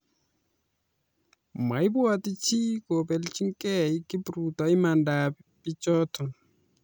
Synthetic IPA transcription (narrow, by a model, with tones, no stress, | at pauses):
ma˨ɪ˦bwa˨ti˦t͡ʃi˦ko˨bɛ˨lt͡ʃi˦ŋkɛ˦i˦ki˦bɾu˨tɔ˨ɪ˦ma˨nda˨pi˦t͡ʃɔ˦tɔ˨